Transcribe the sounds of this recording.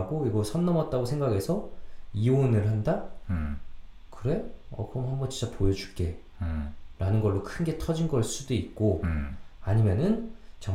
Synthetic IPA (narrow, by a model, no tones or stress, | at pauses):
ɡoiɡʌsʰʌnːʌmʌt̚t͈aɡosʰeŋɡaɡe̞sʰʌionɯɭhanda | kɯɾe̞ʌ̰kɯɾʌmhambʌnt͡ɕint͡ɕ͈apojʌd͡ʑu̥k͈e̞ | ɾanɯnɡʌɭːokʰɯnɡe̞tʰʌd͡ʑinɡʌɭs͈udoik̚k͈o | aɲimjʌnɯnt͡ɕʌ